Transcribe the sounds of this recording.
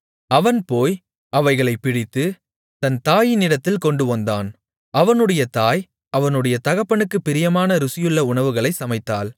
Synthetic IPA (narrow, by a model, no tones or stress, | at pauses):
ɐʋɐnpoːj | ʔɐʋɐɪɣɐɭɐɪpːɪɽɪt̪ːɯ | t̪ɐnt̪aːjɪnɪɽɐt̪ːɪlkɔɳɖɯʋɐnd̪aːn | ɐʋɐnɯɽɐjɐt̪aːj | ɐʋɐnɯɽɐjɐt̪ɐɣɐpːɐɳɯkːɯpːɪɾɪjɐmaːnɐɾʊsɪjɯɭːɐʊɳɐʋɯɣɐɭɐɪsɐmɐɪt̪ːaːl